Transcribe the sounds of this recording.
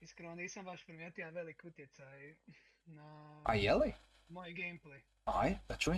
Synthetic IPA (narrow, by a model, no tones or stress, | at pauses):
iskɾoniːsɐmʋaʃpɾmɛt̪iaʋelˠikut̪jet̪saj | naa̰jɛli | mojɡeːmplej | ajd̪at͡ʃu